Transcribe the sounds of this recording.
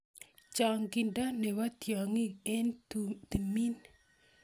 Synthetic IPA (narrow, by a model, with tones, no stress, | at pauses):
t͡ʃa˨ŋɡi˨nda˦nɛ˨wa˦t̪ja˨ŋi˦e˦nt̪i˨mi˦n